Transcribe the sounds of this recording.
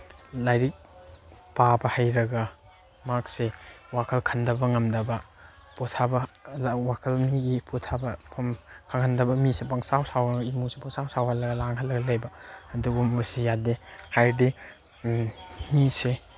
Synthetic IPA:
lajɾik̚pabɐhajɾɐɡɐ | mak̚sewakʰɐlkʰɐndɐbɐŋɐmdɐbɐ | pɔtʰabɐwakʰɐlmiɡipʰɔtʰabɐpʰɐmkʰaŋhʰɐndɐbɐmisepɐŋsawsawɡɐimusepaŋsawsawhalɐɡɐlaŋɦʰɐlːɐɡɐlɐjbɐɐduɡumusijadehajdi | mise

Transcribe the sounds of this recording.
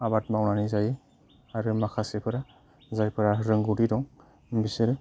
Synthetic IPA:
abat̚mawnanizajɯ | aɾɯmakʰasepʰɯɾa | zajpʰɯɾaɾɯŋɡuɾidɔŋ | bisɯɾɯ

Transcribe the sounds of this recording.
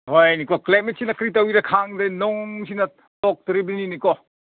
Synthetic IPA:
ɦojnikɔklajmet̚sinɐkɾitɐwiɾɐkʰaŋdenɔŋs̬inɐ | tɔk̚tɾibuninikɔ

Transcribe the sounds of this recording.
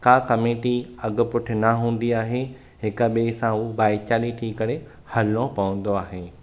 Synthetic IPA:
kaːkɐmeːʈiɐɡʊ̆pʊʈʰɪ̆nɐɦũːn̆d̪iaːɦe | ɦɪkəɓeːsãubaːɪt͡ɕaːliʈʰiːkɐɾe | hɐlõpɐʋə̃n̆d̪oaːɦeː

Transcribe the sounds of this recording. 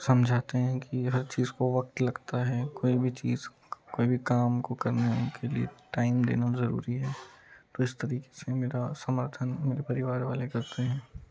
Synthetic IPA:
sɐmd͡ʒʱaːt̪eɦɛ̃kiɦɐɾt͡ʃiːzkoʋɐk̚t̪lɐɡt̪aɦɛːkoːibʱit͡ʃḭːz | koːibʱikaːmkokɐɾnaɦɛʊnkʰeliḛʈaːɪmd̪ḛːnazɐɾṵːɾiɦɛːt̪oɪst̪ɐɾiːke̥semeːɾasɐməɾt̪ʰənmeːɾepɐɾɪʋaːɾʋa̰ːlekɐɾt̪eɦɛ̃ː

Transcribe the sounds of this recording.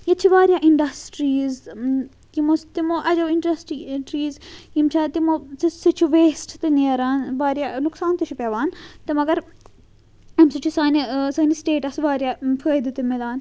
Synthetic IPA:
jɐt͡ʃʰiʋaːɾjaːʔiɳɖɐsʈɾiːz | kimost̪imoːʔɐd͡ʒɐʋiɳɖɾɐsʈiʈɾiːzkimt͡ʃʰaːt̪imosisɨt͡ʃʰuʋeːsʈt̪ɨneːɾaːnʋaːɾjanuksaːnt̪ɨt͡ʃʰupeʋaːnt̪ɨmɐɡɐɾ | ɐmsɨt͡ʃʰusaːnisɐːnisʈeːʈɐsʋaːɾʲjaːfʰəːjd̪ɨt̪ɨmilaːn

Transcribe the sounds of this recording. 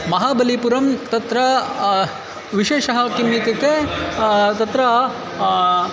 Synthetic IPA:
mɐɦaːbɐlipuɾɐmt̪ɐt̪ɾɐ | ʋiʃeːʃɐɦɐkimːik̪ɐke | t̪ɐt̪ɾɐ

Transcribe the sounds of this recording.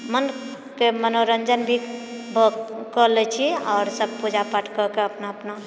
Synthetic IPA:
mən | kemənoɾənd͡ʒənbʱibʱəkələt͡ʃʰiɔːɾsəb̚pud͡ʒapaʈʰkəkeəpnaəpna

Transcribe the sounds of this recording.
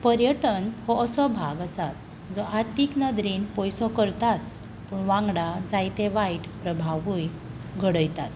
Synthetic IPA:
pəɾjəʈənɦɔəsɔbʱaɡəsat̪̚ | d͡zɔʔaɾt̪iknəd̪ɾiːnpɔjsɔkəɾt̪at͡s | puɳʋãŋɡɽad͡zajt̪eʋajʈpɾəbʱaʋuj | ɡʱəɽəjt̪at̪

